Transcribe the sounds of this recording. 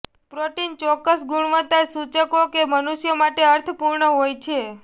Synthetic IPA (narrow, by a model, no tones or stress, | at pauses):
pɾoʈint͡ʃɔkːəsɡuɽ̃ʋət̪ːasut͡ʃəkokemənuʃjəmaʈeəɾt̪ʰəpuɾɳəɦojt͡ʃʰe